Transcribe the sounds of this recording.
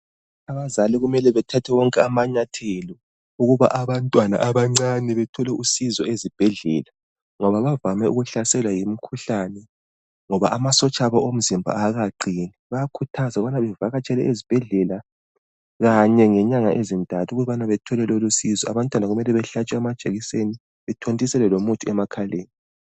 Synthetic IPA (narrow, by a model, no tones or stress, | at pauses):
aβazaliɣumɛlɛβɛtʰatʰɛwɔŋkʼɛamaɲatʰelɔ | uɣuβa̰ʔaβantʼwana̰ʔaβaŋ͡ǀanɛβɛtʰɔlɛʔusizɔezib̥ʱɛɮɛ̰ːla | ŋɔβaβavamɛṵɣuɬasɛlwajimikʰuɬanɛ | ŋɔβaʔamasɔt͡ʃʼaβɔʔom̩zimbʱa̰aɣaɡ͡ǀʱiːniβakʰutʰazaɣuβanaβɛvaɣat͡ʃʼɛlɛʔezib̥ʱɛɮɛla | ɣaɲɛŋɛɲaŋaʔezintʼatʰuɣuβanaβɛtʰɔlɛlolusizɔa̰βantʼwanaɣumɛlɛβɛɬat͡ʃʼɛɛmad̥ʒ̥ʱeɣiseni | βɛtʰontʼisɛlɛlomutʰʼuɛmakʰaleːni